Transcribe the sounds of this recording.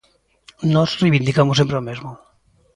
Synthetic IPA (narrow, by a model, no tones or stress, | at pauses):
nɔzrejβind̪ikamos̬empɾeomezmo